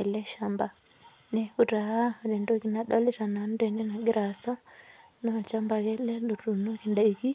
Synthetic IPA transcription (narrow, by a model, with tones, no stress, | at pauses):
ɛ˨lɛ˦ʃa˦mba˨ | nɛ˨ku˨ɾa˨ɦa˦ɾɛ˨ndɔ˦ki˨na˨ɗɔ˦li˦ɾa˨na˨ndɛ˨nɛ˦na˨ɡi˦ɾa˨sa˦ | na˨t͡ʃa˦mba˨ɣɛ˦lɛ˦lu˨ɾu˨nɔ˦ki˨nda˨iɣi˦